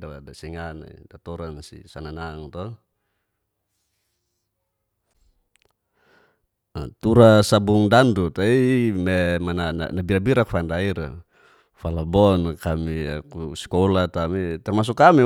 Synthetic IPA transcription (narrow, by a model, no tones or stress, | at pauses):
daadasiŋana̰ḭdat̪ɔɾansḭsananaŋt̪ɔ | t̪uɾasabuŋdandut̪aimɛmanana̰nabiɾabiɾakfandaiɾa | falabɔnkamiakusi̥kɔlat̪amit̪ɛrmas̬ukːami